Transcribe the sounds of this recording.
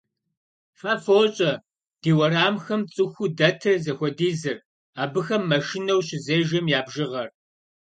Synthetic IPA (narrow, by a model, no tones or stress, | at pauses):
fafoːɕʼɐ | d̥iːwɐraːmxɐmt͡sʼɨxʷudɐtʰɨrzɐxʷɔdiːzɨr | aːbɨxɐmːɐʃɪnɐwɕɪzeːʒɐmjaːbʒɪʁɐr